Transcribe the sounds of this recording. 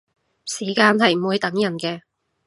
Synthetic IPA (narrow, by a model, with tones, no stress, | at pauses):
siː˨˩kaː˧nɦɐ˨jm̩˨˩wuː˨˧jt̪ɐ˨˥ŋjɐ˨˩nkɛː˧